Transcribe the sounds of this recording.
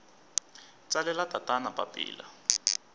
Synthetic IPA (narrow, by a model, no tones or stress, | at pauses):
t͡salɛlatatʼanapʼa̰pʼḭːla̰